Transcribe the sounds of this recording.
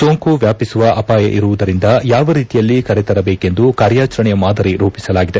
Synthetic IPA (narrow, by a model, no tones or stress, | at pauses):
so̞ːŋkuʋjaːpisuʋɐʔɐpaːjɐ̰ʔiɾuʋud̪ɐɾind̪ɐjaːʋɐɾiːt̪ijɐlːikɐɾɛt̪ɐɾɐbeːke̞nd̪ukaːɾjaːt͡ʃɐɾɐɳɛjɐmaːd̪ʱɐɾiɾuːpisɐlaːɡid̪e̞